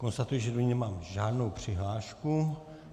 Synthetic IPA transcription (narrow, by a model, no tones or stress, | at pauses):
ko̞nst̪at̪ujɪʒɛdoɲɛmaːmʒaːdno̞wpr̥ɪɦlaːʃku